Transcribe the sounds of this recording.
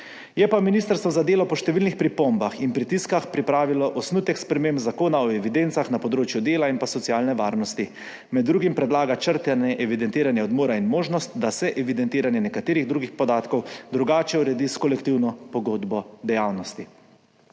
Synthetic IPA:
jɛpaminist̪əɾst̪ʋɔzad̪eːlɔpɔʃt̪ɛʋilnixpɾipombaxinpɾit̪iskaxpɾipɾaːʋilɔʔɔsnut̪ɛkspɾɛmembzakoːnaɔɛʋid̪ent̪saxnapɔd̪ɾoːt͡ʃjud̪eːlainpasɔt̪siaːlnɛʋaːɾnɔst̪i | mɛd̪ːɾuːɡimpɾɛd̪laːɡat͡ʃəɾt̪ɛnɛʔɛʋid̪ɛnt̪iːɾanjɛɔd̪moːɾainmoːʒnɔst̪̚d̪asɛʔɛʋid̪ɛnt̪iːɾanjɛnɛkat̪eːɾiɣd̪ɾuːɡixpɔd̪aːt̪kɔwd̪ɾuɡaːt͡ʃɛuɾɛd̪iskɔlɛkt̪iwnɔpɔɡoːd̪bɔd̪ɛjawnɔst̪i

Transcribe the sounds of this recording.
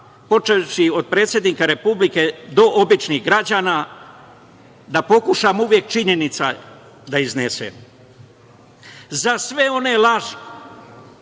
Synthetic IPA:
po̞t͡ʃeʃio̞d̪̚pɾe̞ːt̪sʲje̞d̪niːkaɾe̞publike̞d̪o̞ʔobit͡ʃniɣɡɾad͡ʑaːna | d̪apo̞kuʃamuʋje̞k̚t͡ʃiɲenit̪sa | d̪aiznesḛm | zasʋe̞o̞ne̞laʒe

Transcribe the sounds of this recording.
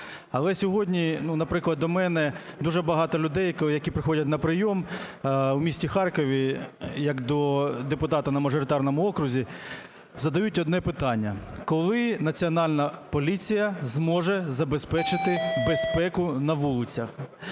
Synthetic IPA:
ɐlˠɛsʲɔɦɔdʲnʲinunɐpɾɪklˠɐd̪ɔmɛnɛd̪uʒɛbɐɦɑt̪ɔlʲʊd̪ɛjjɐkʲipɾɪxɔdʲɐtʲnɐpɾɪjɔm | wmʲisʲtʲixɑrkɔʋʲijɐkd̪ɔd̪epʊt̪ɑt̪ɐnɐmɐʒɔɾɪt̪ɑrnɔmʊɔkɾʊzʲi | zɐd̪ɐjutʲɔd̪nɛpɪt̪ɑnʲːɐkɔlˠɪnɐt͡sʲiɔnɑlʲnɐpɔlʲit͡sʲijɐzmɔʒɛzɐbespɛt͡ʃɪt̪ɪbespɛkʊnɐʋulˠɪt͡sʲɐx

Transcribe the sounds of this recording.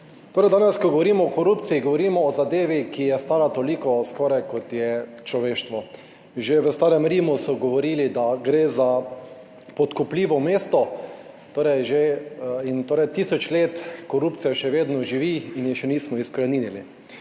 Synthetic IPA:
t̪oːɾɛjd̪aːnɛskɔɡɔʋɔɾiːmɔːkɔɾupt̪siiɡɔʋɔɾiːmɔːzad̪eːʋikijɛst̪aːɾat̪olikɔskɔɾajkɔt̪jɛt͡ʃlɔʋeːʃt̪ʋɔ | ʒeʋəst̪aːɾɛmɾiːmusɔɡɔʋɔɾiːlid̪aɡɾeːza | pɔt̪kupliːʋɔmeːst̪ɔ | t̪oːɾɛjʒeint̪oːɾɛjt̪iːsɔt͡ʃleːt̪kɔɾuːp̚tsijaʃɛʋeːd̪nɔʒiʋiːnjixʃɛniːsmɔiskɾaniːnili

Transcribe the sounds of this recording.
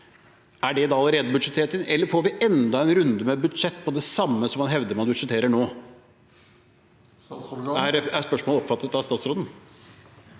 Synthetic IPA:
æɖɛd̪ɑɑləɾeːd̪əbʉd̪ʂɛt̪ʰeːʈɪnɛlːəɾfoɾʋɪɛnd̪ɑɛnɾʉnd̪əmɛbʉd̪ʂɛt̪ːpʰɔd̪ɛsɑmːəsɔmɑnɦɛʋd̪əɾmɑnbʉd̪ʂɛt̪ʰeːɾəɳoː | æɾæspœʂmoːlɔpfɑt̪ːət̪ɑʋst̪ɑːt̪sɾoːd̪n̩

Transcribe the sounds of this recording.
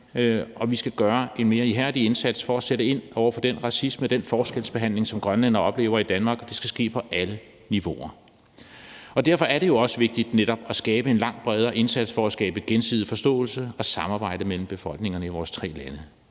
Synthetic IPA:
ɒ̽ʋisɡ̥æɡ̥ɶɐʔe̝nme̝ːɐiɦæɐ̰d̥ie̝nsæd̥sfɒ̽æseɾəe̝n̰ʔɒʊɐfɒ̽d̥enʁɑ̈sismed̥enfɒːsɡ̥elsb̥e̝ɦæn̰le̝ŋsɒ̽mɡ̥ʁɶnlenɐɒ̽b̥le̝̰ːʊɐid̥ænmɑ̈ːɡ̥ɒd̥e̝sɡ̥æsɡ̥e̝̰ːpʰɒ̽ʔælə | niʋo̝̰ʔɐ | ɒ̽d̥æɐ̰fɒ̽æɐɾe̝jo̝ɒ̽səʋe̝ɡ̥̚d̥id̥neɾɒ̽b̥æsɡ̥ɛːb̥əe̝nlɑ̈ŋ̰b̥ʁɛð̞ˠɐːʔe̝nsæd̥sfɒ̽æsɡ̥ɛːb̥əɡ̥ensið̰̩ˠfɒ̽sd̥ɔ̰̽ːl̩səɒ̽sɑ̈mɑ̈ːb̥ɑ̈ɪ̰d̥əmel̰m̩b̥e̝fɒ̽l̰ɡ̥ne̝ŋɐnəiʋɒːst͡sʰʁɛ̰ːlænə

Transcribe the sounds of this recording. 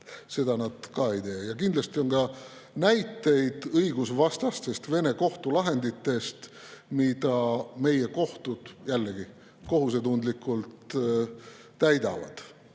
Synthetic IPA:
se̞d̪̥ɑnɑd̪̥kɑe̞jt̪e̞ːjɑkind̪lɑst̪io̞nkɑ | næjt̪ːe̞jd̪̥ɤjɡusvɑst̪ɑst̪e̞st̪ve̞ne̞ko̞ht̪ulɑɦe̞nd̪it̪ːe̞st̪mid̪̥ɑme̞je̞ko̞ht̪ud̪̥jælːeɡi | ko̞ɦus̬e̞t̪und̪likːˑult̪ | æjd̪ɑvɑ̰d̪̥

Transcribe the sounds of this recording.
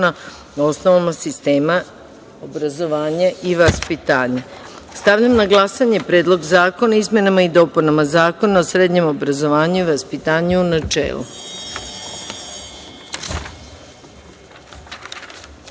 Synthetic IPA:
na | o̞snoʋamasist̪e̞ːma | obɾazo̞ʋaːɲaʔiʋaspit̪aːɲa | st̪aʋʎamnaɡlˠasaɲepɾe̞ːd̪lˠo̞ɡzaːko̞naizme̞namaid̪o̞ːpunamazaːko̞naosɾe̞d̪ɲe̞mo̞bɾazo̞ʋaːɲuiʋaspit̪aːɲuunat͡ʃḛːlṵ

